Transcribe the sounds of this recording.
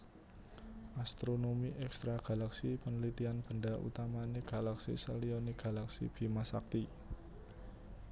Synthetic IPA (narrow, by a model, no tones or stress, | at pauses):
ʔast̪ɾonomiʔɛkst̪ɾaɡ̥a̤laksipənəlit̪ianb̥əɳdaʔṵt̪amaniɡ̥a̤laksḭsəliɔniɡ̥a̤laksḭb̥i̤masak̚t̪i